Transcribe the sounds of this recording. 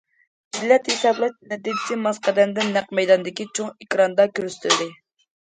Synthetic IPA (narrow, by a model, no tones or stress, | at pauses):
dilːɛt̪hisɑblˠɨʃnɛd̪i̥simɑsqʰɛd̪ɛmd̪ɪnːæqmɛjd̪ɑnd̪ɪkʲit͡ʃʰoŋekʲɾɑnd̪ɑkʲyɾst̪ʰyld̪ɪ